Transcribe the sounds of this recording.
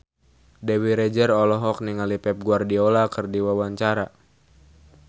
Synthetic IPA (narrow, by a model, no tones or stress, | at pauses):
dɛwiɾɛd͡ʒərɔlɔɦɔk̚niŋalipɛp̚ɡuardiɔlakərdiwawaɲt͡ʃaɾa